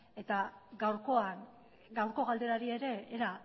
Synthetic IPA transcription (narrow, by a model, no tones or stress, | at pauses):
e̞t̪aɡawɾko̞an | ɡawɾko̞ɣald̪e̞ɾaɾie̞ɾe̞ːɾa